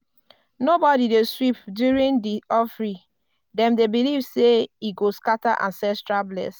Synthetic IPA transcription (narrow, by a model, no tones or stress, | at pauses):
nobɔdideswipdjuɹĩndiʔɔfɹi | dɛ̃mdebilivseiɡoskataʔã̰nsɛstɹablɛ̰s